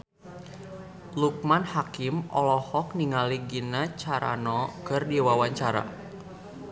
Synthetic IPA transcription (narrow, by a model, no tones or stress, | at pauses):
luk̚manhakimʔɔ̰lɔhɔk̚niŋaliɡinat͡ʃaɾa̰nɔkɨrdiwawaɲt͡ʃaɾa̰